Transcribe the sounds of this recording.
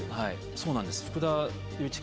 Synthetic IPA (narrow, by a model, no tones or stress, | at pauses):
hai | so̞ːnãnd̪esɨ̥ɸɯ̟̥kɯ̟d̪a | jɯ̟ːt͡ɕi̥k